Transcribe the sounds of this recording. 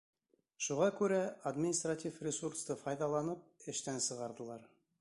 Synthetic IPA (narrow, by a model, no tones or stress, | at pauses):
ʃuʁɑkʉɾæad̪mʲɪnʲist̪ratʲifrʲɪsurst̪ɤfɑjðɑlˠɑnɤp̚ɘ̆ʃt̪ænsɤ̆ʁɑɾðɤ̆lˠɑɾ